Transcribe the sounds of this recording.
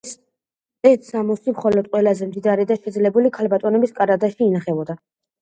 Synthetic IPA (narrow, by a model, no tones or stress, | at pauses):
ɛt̪ʰsamɔsimχɔlɔd̪̚qʼwɛlazɛmd̪id̪aɾid̪aʃɛd̪zlɛbulikʰalbat̪ʼɔnɛbiskʼaɾad̪aʃiːnaχɛbɔd̪a